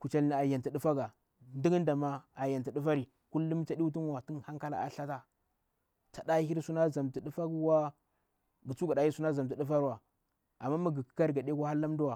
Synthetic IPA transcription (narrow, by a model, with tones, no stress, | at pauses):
ku˨t͡ʃa˨la˨ja˨nti˨du˦fa˦ɡa˨ | ndi˦ɡnda˨ma˦a˨ja˨nti˨du˦fa˦ɾi˨ | ku˦lːu˦m˦t͡ʃa˦ɗi˦u˦tu˦nwa˨ti˦nha˦ŋka˦la̰˨a̰˨ɬa˦ta˦ | t͡ʃa˨da˦hi˦ɾsu˦na˦za˨mti˨ɗu˦fa˦ɡwa˦ | ɡi˨t͡su˦ɡa˨ɗa˨ji˦su˦na˦za˨mti˨ɗu˦fa˦ɾwa˨ | a˨mːa˦ma˦ɡi˨ki̥˨˦ka˦ɾɡa˨ɗe˦kʷa˦ha˦lːa˦m˦du˦wa˨